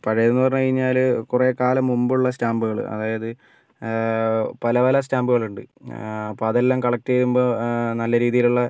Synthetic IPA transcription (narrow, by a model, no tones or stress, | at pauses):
pɐɻɐjenːɨpɐrɐɲːukɐɻiɲːaːlkure̞ːkaːlɐmːumbuɭːɐstaːmbuɣɐɭɨ̰ɐ̰ðaːjɐðɨ | pɐlɐʋɐlɐs̬taːmbuɣɐɭuɳɖɨ̰ɐpːoːɐðelːaːmkɐɭɐk̚tːeðumboːnɐlːɐɾiːðijiluɭːɐ